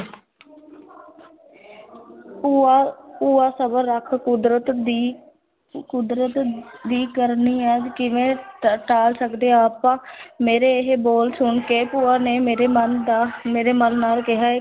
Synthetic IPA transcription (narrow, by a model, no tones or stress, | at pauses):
uaːsəbəɾːəkʰkʊd̪ɾət̪ː | kʊd̪ɾət̪d̪iːkəɾniːɛːkɪʋẽːʈaːlsəkd̪eːaːpãːmeːɾeːeɦboːlsʊɳkeːpʊːaːneːmeːɾeːmənd̪aːmeːɾeːməlːaːlkɪɦaːɛː